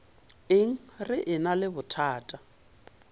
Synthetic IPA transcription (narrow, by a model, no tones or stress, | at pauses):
ɪŋ̩rɪʔɪnalɪbʊtʰaːtʼa